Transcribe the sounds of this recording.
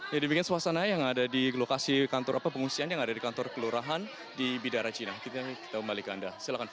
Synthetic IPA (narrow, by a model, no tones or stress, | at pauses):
jadəmikiansuasanajaŋadadilokasikant̪ɔɾʔapapəŋũsianjaŋadadikant̪ɔrkəluɾaɦan | dibidaɾat͡ʃinak̪it̪aki̥t̪akəmbalikəandasilahkan